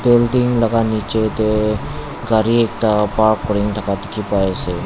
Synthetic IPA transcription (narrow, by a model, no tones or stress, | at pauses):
beld̪iŋlɐɡaniːt͡ʃet̪e | ɡaɾieːk̚t̪apaːkːʊɽĩŋt̪ʰɐkat̪ɪkʰipaese